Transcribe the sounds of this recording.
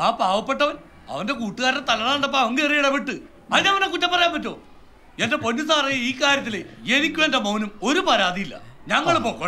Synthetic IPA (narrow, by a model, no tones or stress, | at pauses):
aːpaːʋɐpːe̞ʈːɐʋɐn | ɐ̰ʋɐnde̞kuːʈːuɣaːɾɐt̪ɐlɐnɐɐɳɖɐp̬ːaɐʋɐŋɡerijiɽɐpeʈːɨ | ɐðineɐʋɐnekutːɐpːɐrɐjaːnpɐtːo̞ː | endepo̞nːusɐɐrɐjːɐiːkːaːɾjɐt̪̬ːileenikʲːumendemownumo̞ɾupɐɾaːðijilːɐ̰ɲɐŋːɐɭpokː